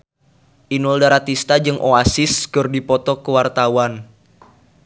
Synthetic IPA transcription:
ʔinuldaɾat̪ist̪ad͡ʒɨŋʔoasɪskɨrdipɔt̪ɔkəwart̪awan

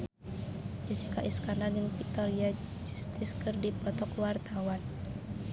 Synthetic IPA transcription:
d͡ʒisi̥kaʔiskanad͡ʒɨŋfik̚t̪ɔɾiad͡ʒust̪iskɨrdipɔt̪ɔkwart̪awan

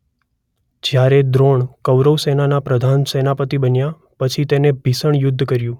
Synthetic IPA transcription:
d͡ʒjaɾed̪ɾoɳkəʋɾəʋsenanapɾəd̪ʱansenapət̪ibənja | pət͡ʃʰit̪enebʱisəɳjʊd̪ʱːkəɾjũ

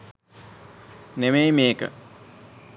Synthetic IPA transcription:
nemejmeːkə̰

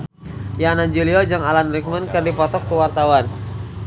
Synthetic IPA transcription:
janaɲd͡ʒuliɔd͡ʒaŋalanrik̚mənkɨrdipɔt̪ɔkːuwart̪awan

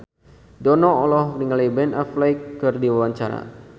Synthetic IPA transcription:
dɔnɔɔlɔhniŋalibɛnaflajkːərdiwawaɲt͡ʃaɾa̰

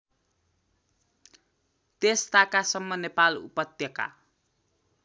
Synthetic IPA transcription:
t̪est̪akasʌmːʌnepalṵpʌt̪jʌka̰

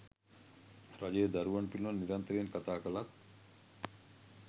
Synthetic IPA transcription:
ɾad͡ʒed̪aɾuʋanpilanːiɾant̪əɾenkat̪aːkəlat̪

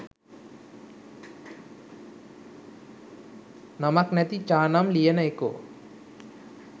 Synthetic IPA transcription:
nɐmɐknɐt̪it͡ʃaːnamlijɐnɐjko̰ː

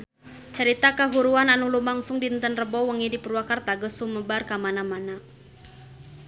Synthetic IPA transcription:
t͡ʃəɾit̪akəɦuɾuananulumaŋsʊŋdint̪ənrəbɔwəŋidipəruwakart̪aɡəsuməbarkamanamana

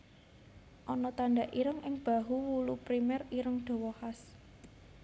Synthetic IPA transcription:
ʔɔnɔt̪aɳɖaʔiɾəŋɪŋb̥a̤ɦuwulupɾimɛriɾəŋɖ̪̥o̤wɔhas

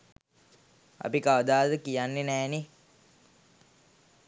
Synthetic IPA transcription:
a̰pikaʋəd̪aːd̪əkijanːenɛːne

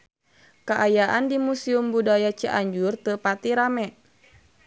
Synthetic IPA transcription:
kaʔajaʔandimusiumbudajat͡ʃəʔaɲd͡ʒurt̪əpat̪iɾamɛʔ

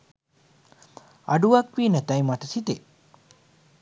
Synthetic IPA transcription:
ɐ̰ɖuʋɐkʋiːnɐt̪ɐjmɐʈɐsit̪e

